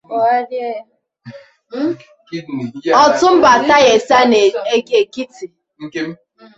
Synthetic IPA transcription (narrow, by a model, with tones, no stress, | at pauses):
a˦ɾje˦j | ɔ˦tʊ˦m̩˦ba˨ta˦je˨sa˦ne˨e˨ke˨ki˦ti˨ | ŋ̩˦